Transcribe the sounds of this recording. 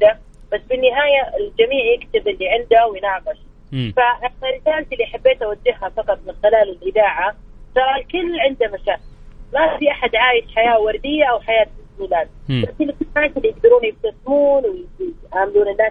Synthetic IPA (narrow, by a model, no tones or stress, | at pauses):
d̪ab̥asːbɪnːɪɦaːjaɪld͡ʒamiːʕjɪkt̪ɪbɪlːiʕɪnd̪awɪjnɑːqɪʃ | faʔɪnaɾɪsaːlt̪ɪlːiʔaħabːeːt̪ʔawad͡ʒːɪhhafɑqɑt̪̚ˤmɪnxɪlaːlɪlʔɪðaːʕasɑɾˤlkɪlːʕɪnd̪amaʃaːkɪllmafiʔaħad̪ʕaːjɪʃħajaːwɑɾˤd̪ɪjːaʔawħajaːt̪ɪsmiːlaːd̪̚baʔkɪlːkɪlːmʕaːt̪ɪlːijɪɡ̚d̪ɑɾuːnjɪft̪asmuːnwɪɪt̪ʕaːmɪluːnɪnːaː